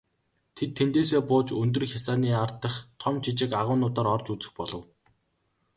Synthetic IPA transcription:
t̪ʰet̪ʰːent̪eːseːpʊːt͡ɕɵnt̪̬ɵ̆rxʲasaːniːart̪ə̆χt̪ʰɔmt͡ɕʰit͡ɕɪ̆kaʁʊːnʊːt̪ɔːɾɔrt͡ɕut͡sɘ̥̆xpɔɮɞ̆w

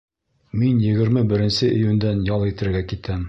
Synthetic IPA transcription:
minjɘ̆ɡɘ̆ɾmɘbɘ̆ɾɘ̆nsɘʔĭjʉnd̪ænjɑlˠit̪ɘ̆ɾɘ̆ɾɡækit̪æm

